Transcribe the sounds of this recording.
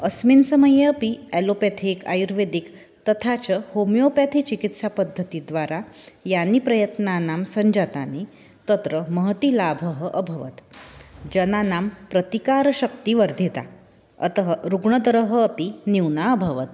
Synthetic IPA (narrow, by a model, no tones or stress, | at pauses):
əsmiːnsəməjəpiɛlopat̪ʰeːka̰juɾʋed̪ik | t̪ət̪ʰat͡ɕəhomjopat̪ʰit͡ɕikit̪sapəd̪ʱːət̪id̪ʋaɾajanːiːpɾəjət̪nanamsəɲd͡ʑat̪ane | t̪ət̪ɾəməɦt̪ilabʱəɦəʔəbʱəʋət̪d͡ʑənanampɾət̪ikaɾɕək̚t̪iʋəɾd̪ʱit̪a̰ | ə̰t̪əɦɾuɡɳəd̪əɾəɦəːpiniwnaəbʱəʋət̪̚